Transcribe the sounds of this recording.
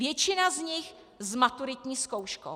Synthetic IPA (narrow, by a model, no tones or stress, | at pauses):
vjɛt͡ʃɪnazɲɪx | zmat̪uɾɪt̪ɲiːskowʃko̰